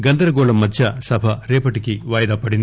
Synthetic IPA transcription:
ɡɐnd̪ɐɾɐɡoːɭɐmːɐt͡ʃːɐsɐbʱɐɾeːpɐʈːikʲːɨʋaːjɐd̪aːpːɐɽinː

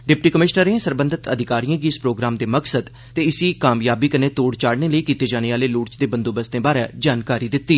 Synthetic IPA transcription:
ɖɪpʈiːkəmɪʃnəɾeẽːsəɾbə̃nd̪ət̪əd̪ʱɪkaːɾijãːɡiːɪspɾoːɡɾaːmd̪eːməksəd̪ | t̪eːɪsiːkaːmjaːbiːkəneːt̪oːɽt͡ʃaːɽneːləiːkiːt̪eːd͡ʒaːneːaːleːluːʈt͡ʃd̪eːbənd̪oːbəsd̪ẽːbaːɾɛːd͡ʒaːnkaːɾiːd̪ɪt̪ːiː

